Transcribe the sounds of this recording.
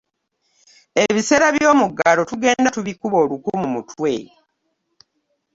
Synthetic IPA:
eβise̞ːɾaβjo̞ːmuɡalo̞tuɡe̞ːndatuβikuβo̞ːlukumumutʰwe̞

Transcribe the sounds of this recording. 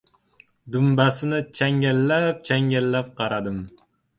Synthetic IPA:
d̪ʊmbasɪnɪt͡ʃʰaŋɡʲalːap̚t͡ʃʰaŋɡʲalːap̚qʰɑɾad̪ɪm

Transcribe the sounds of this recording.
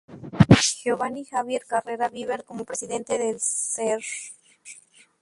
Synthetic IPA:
xeoβanixaβjeɾkareɾaβiβeɾko̞mopɾesiðe̞nt̪eðelseɾ

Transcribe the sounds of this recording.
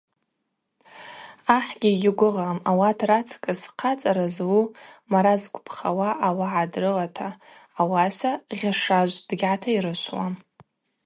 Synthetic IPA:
aħɡʲiɡʲɪɡʷʊʁamawatʰrat͡sʰkʼɨsqʰat͡sʼaɾazwumaɾazkʷʰʼpʰχa̰waʔawaʕadrɨlatʰaːwasaʁʲaʂaʒʷd̥ɡʲʕatʰaiɾɨʃʷʰwa̰m

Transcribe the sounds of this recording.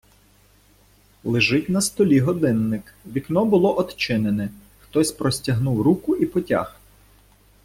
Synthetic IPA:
lˠɪʒɪtʲnɐst̪ɔlʲiɦɔd̪ɪnːɪkʋʲiknɔbʊlˠɔʔɔt̪t͡ʃɪnenɛ | xt̪ɔsʲpɾɔsʲtʲɐɦnuwɾukʊʔipɔtʲa̰h

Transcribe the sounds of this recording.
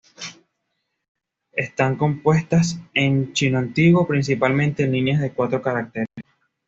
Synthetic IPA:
e̞st̪aŋko̞mpwe̞st̪ase̞nt͡ʃinoant̪iɣwo̞pɾinsipalmẽnt̪e̞nlinjazðe̞kwat̪ɾo̞kaɾak̚t̪eɾe

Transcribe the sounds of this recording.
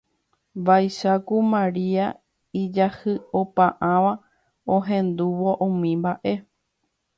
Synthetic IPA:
bajʃakumãɾia | id͡ʒahɨopãʔãʋa | oɦẽ̞nd̪uʋoʔũmĩmbaʔe̞

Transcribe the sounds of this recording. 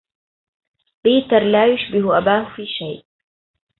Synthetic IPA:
biːt̪ɑɾˤlaːjʊʃbɪhʔabaːhʊfiːʃajʔ

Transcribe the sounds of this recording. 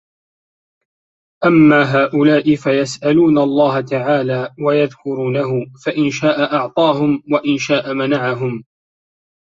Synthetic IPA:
ʔamːaːɦaːʔʊlaːʔɪfajasʔaluːnaɑlˤːɑːɦat̪aʕaːlaːwajaðkʊɾuːnaɦʊfaʔɪnʃaːʔaʔɑʕt̪ˤɑːɦʊmwaʔɪnʃaːʔamanaʕaɦʊm

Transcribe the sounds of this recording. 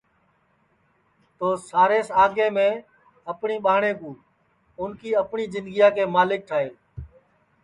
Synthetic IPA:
t̪oːsaːɾeːsaːɡẽːmẽː | əpɳiːɓaːɳeːkũː | ʊnkiːəpɳiːzɪ̃nd̪ɡɪjaːkeːmaːlɪk̚ʈʰaːɦeː

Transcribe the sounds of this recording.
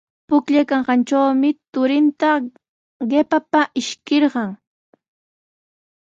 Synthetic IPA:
pʊkʎakaɴɢɑnt͡ʃawmɪt̪ʊɾɪnt̪a | ɢepapaʔɪʃkɪɾɢɑŋ

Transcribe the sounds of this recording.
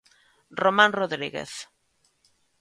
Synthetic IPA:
romãnroðɾiɣḛθ

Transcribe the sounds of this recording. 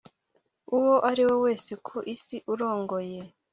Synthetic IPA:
uwo̞ʔaɾiwe̞we̞ːsekʰoʔisiʔuɾo̞ːŋɡoje

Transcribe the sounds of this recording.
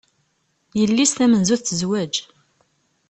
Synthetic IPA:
jəlːisθæmənzuθθəzwæd͡ʒ

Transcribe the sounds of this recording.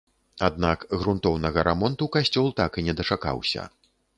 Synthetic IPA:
ad̪nakɣɾunt̪ɔwnɐɣɐɾʔamɔnt̪ukasʲt͡sʲɔlˠt̪akinʲɛd̪ɐt͡ʂaka̰wsʲɐ̰

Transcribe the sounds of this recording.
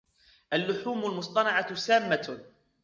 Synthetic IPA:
ʔalːʊħuːmʊlmʊsˤt̪ˤɑnɑʕɑsaːmːa

